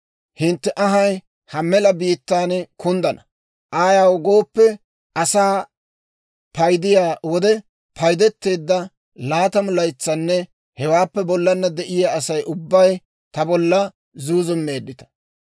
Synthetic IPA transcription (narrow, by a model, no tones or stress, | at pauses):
hɪnt̪ːɛʔɐɦɐj | hɐmɛlɐbiːt̪ːaːnkʊnd̪ɐnɐ | ʔaːjawɡo̞ːpːɛ | ɐsaː | pɐjd̪ɪjaːwɔd̪ɛ | pʰɐjd̪ɛt̪ːe̞ːd̪ːɐ | laːt̪ɐmʊlɐjt͡sːɐnːɛ | hɛwaːpːɛbɔlːɐnːɐd̪ɛʔɪjaːsɐjʔʊbːɐj | t̪ɐbɔlːɐ | zuːzʊmːe̞ːd̪ːɪt̪ɐ̥